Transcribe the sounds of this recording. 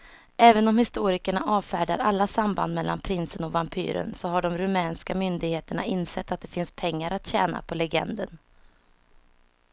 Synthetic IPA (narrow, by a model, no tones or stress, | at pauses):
ɛːvənɔmhɪst̪uːɾɪkəɳa̰ʔɑːvfæːɖa̰ɾalːasamba̰nd̪mɛlːa̰npʰɾɪnsənɔvampʰy̰ːɾə̰nsɔɦaɖɔmɾɵmɛːnskamʏnd̪ɪɡheːt̪əɳa̰ɪnːsɛt̪ːat̪̚d̪ɛfɪnspʰɛŋːaɾat̪ɕɛːna̰pʰɔlɛɡɛ̰nd̪ən